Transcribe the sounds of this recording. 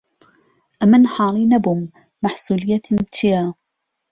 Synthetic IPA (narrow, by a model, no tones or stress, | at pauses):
ʔamanħɑːlˤiːnabʊmː | aħsuːlɪjːat̪ʰɪjaː